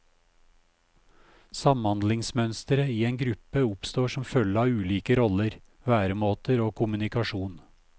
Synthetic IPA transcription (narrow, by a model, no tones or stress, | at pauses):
sɑmhɑnd̪lɪŋsmœnst̪əɾəiːeːŋɡɾʉpəʊpst̪oːʃɔmfœləɑːʉːliːkəɾɔləɾ | ʋæːɾəmoːt̪əɾoːkʰʊmʉnɪkɑʃuːn